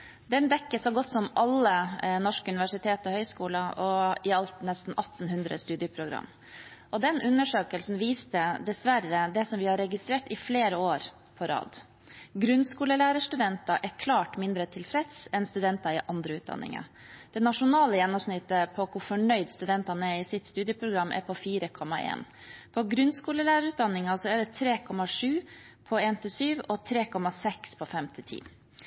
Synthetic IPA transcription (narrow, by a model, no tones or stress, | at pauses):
d̪ɛnd̪ɛkːəsɔɡɔt̪ːsɔmɑlːənɔʂkʉnɪʋæʂɪt̪ʰeːt̪əɔhœʏskuːlɑɔɪɑlt̪nɛst̪n̩ɑt̪ːn̩ɦʉnd̪ɾə̰st̪ʉːd̪ɪəpʰɾʊɡɾɑ̰mː | ʔɔd̪ɛnʔʉnːəʂøːkəlsn̩ʋiːst̪əd̪ɛsʋæɾəd̪ɛsɔmʋɪhɑɾɛɡɪst̪ɾeːʈɪfleːɾəoːɾ | pʰɔɾɑ̰ːd̪ | ɡɾʉnskuːləlæːɾəʂʈ̪ʉd̪ɛnt̪ɑʔɛɾkʰlɑːʈmɪnd̪ɾət̪ʰɪlfɾɛt̪sɛnst̪ʉd̪ɛnt̪ɑɪʔɑnd̪ɾəʉːt̪̚d̪ɑ̰nʔɪ̰ŋɑ̰ | d̪̥ɛnɑʂʊnɑːləjɛnːɔmsnɪt̪ːəpʰɔkʰʊɾfɔɳœʏd̪st̪ʉd̪ɛnt̪ɑnəɛɪsɪt̪st̪ʉːd̪ɪəpʰɾʊɡɾɑmːʔɛ̰ɾpʰɔfiːɾəkʰɔmːɑʔḛːn | pʰɔɡɾʉnskuːləlæːɾəɾʉːt̪̚d̪ɑnːɪŋɑsɔæɖɛt̪ʰɾeːkʰɔmːɑʂʉː | pʰɔeːnt̪ʰɪsyːʋɔt̪ʰɾeːkʰɔmːɑsɛkspʰɔfɛmt̪ʰɪt̪ʰḭː